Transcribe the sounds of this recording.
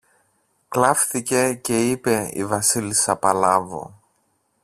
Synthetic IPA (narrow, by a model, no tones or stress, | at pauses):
klɐfθice̞ce̞ipe̞ḭvɐsilisɐpɐlɐvo̰